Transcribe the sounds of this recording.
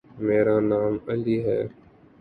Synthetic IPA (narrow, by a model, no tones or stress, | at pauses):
meːɾaːnaːməliːɦɛ̰ː